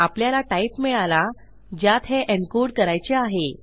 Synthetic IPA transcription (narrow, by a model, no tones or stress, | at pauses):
apljalaʈaipmiɭala | d͡ʑjat̪ɦeʔeɳkuɖkəɾajt͡ɕeaɦe